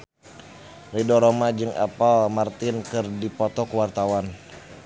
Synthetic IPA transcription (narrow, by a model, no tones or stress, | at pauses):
ridɔɾomad͡ʒɨŋʔa̰palmart̪ɪnkɨrdipɔt̪ɔkuwart̪awan